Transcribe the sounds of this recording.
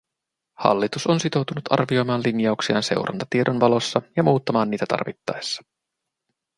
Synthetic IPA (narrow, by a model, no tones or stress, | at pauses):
hɑ̰lːit̪uso̞nsit̪o̞wt̪unut̪ɑ̰rʋio̞jmɑːnlinjɑuksiɑ̰ːnse̞̰wɾɑ̰nt̪ɑ̥t̪iedonʋɑlo̞sːɑjɑmuːt̪ːɑmɑːnːiːt̪æt̪ɑ̰rʋit̪ːɑjsːɑ̥